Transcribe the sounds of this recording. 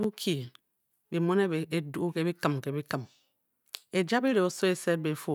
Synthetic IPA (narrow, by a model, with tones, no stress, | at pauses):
bu˦kʰi˨ | bi˨mo˦ne˦be˨e˨du˦u˦ke˦bi˦kɨ˨mke˨bi˦kə˨m | e˨d͡ʒa˦bi˦ɾe˨o˨so˦e˨se˦t̚be˨fu˦